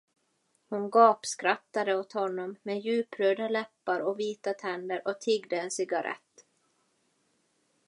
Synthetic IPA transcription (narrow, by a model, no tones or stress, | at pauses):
hʊnɡɑːpskɾat̪ːad̪əot̪hɔnːɔmːɛjʉ̟ːpɾøːd̪alɛpːaɾɔviːt̪at̪ʰɛnd̪əɾʔɔt̪ʰɪɡd̪əɛnsɪɡaɾʔɛ̰t̪ː